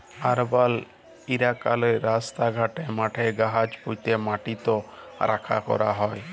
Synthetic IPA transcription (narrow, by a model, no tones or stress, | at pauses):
aɾbal | iɾakaleɾast̪aɡʱaʈemaʈʰeɡaɦad͡ʒput̪emaʈit̪oɾʔakʰa̰kɔ̰ɾaɦɔj